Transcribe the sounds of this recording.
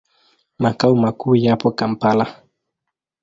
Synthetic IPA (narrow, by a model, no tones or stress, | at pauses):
makaumakujapɔkam̩pala